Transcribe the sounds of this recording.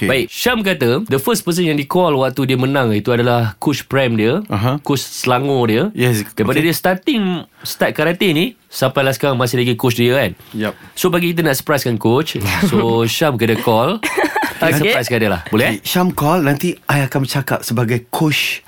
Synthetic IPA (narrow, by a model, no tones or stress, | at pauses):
baikʃamkat̪ədəfəspəs̬ənjaŋdikɔlwak̚t̪udiəmənãŋit̪uadalahkʊt͡ʃpɾɛmdiəaɦãkot͡ʃsəlaŋõdiəjɛsdaipadadiəst̪at̪ɪŋst̪at̪̚kaɾat̪ini | sampajlasə̥kaɾaŋmasɪhlaɡikot͡ʃdiəanjɛsobaɡikit̪̬anaʔsəpɾajskankot͡ʃsoʃamkadəkʰɔl | asəpɾajskandala̰hbolɛhʃamkɔlnãnt̪iajakanət͡ʃakap̚səbaɡajkʰot͡ʃ